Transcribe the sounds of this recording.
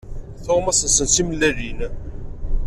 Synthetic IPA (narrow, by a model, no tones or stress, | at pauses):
θomæsənsənsiməlːælin